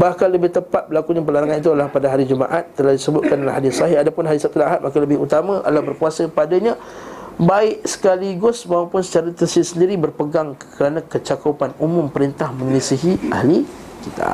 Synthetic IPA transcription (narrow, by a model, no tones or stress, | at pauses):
bahkalːəbɪht̪əpat̪̚bəlakuɲap̬əlaɾaŋanit̪̬ulahpadaɦaɾid͡ʒuma̰ʔat̪ːəlahdisəbʊt̪̚kanalaɦadɪsɔɦɪhadapʊnɦaɾisap̚t̪ulaɦat̪̚makaləbɪɦut̪amãʔa̰labərpuasəpadaɲa | baɪʔsə̥kaliɡʊsmaawpʊnsə̥t͡ʃaɾat̪əsɪsəndiɾibərpəɡaŋkʰəɾanãkət͡ʃakəpanumʊ̃mpəɾint̪ahmə̃ŋlisiɦiʔa̰hli | kit̪ʰa̰